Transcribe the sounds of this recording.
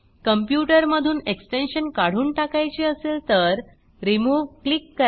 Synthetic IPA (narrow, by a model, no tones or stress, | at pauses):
kəmpjuʈəɾməd̪ʱuːneksʈenɕənkaɽ̤uːnʈakajt͡ɕiəseːlt̪əɾ | ɾimuːʋklikːə